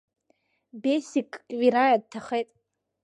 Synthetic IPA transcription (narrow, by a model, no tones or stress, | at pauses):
besikʼviɾajad̚tʰaχejtʼ